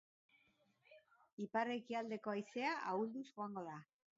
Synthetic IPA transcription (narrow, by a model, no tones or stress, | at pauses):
ipare̞kiald̪e̞ko̞ajse̞aʔauld̪usɣoaŋɡo̞ða